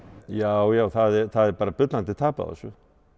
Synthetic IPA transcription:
jawjaːwθaðɛɾθaðɛpaːɾapʏt̪lant̪ɪt̪ʰaːpa̰ða̰swɔ

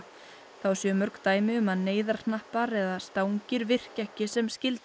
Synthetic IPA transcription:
θawsjœmœɾkt̪aːjmɪʏmaðneːjðaɾ̥nahpaɾɛðast̪awŋcɪɾvɪr̥cɛhcɪsɛmscɪlt̪

